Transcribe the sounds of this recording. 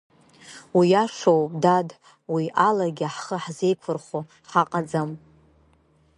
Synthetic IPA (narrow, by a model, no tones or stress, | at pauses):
wiaʂowpʼdad | wiʔalaɡʲɪaħχəħze̞jkʷʰʊrχo | ħaqʼad͡zam